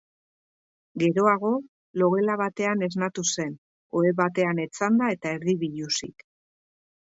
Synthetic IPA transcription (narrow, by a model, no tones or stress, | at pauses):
ɡe̞ɾo̞aɣ̞o̞ | lo̞ɣe̞laβ̞at̪e̞ane̞znat̪use̞n | o̞e̞βat̪e̞ane̞t͡sand̪ae̞t̪ae̞ɾðiβiʎusik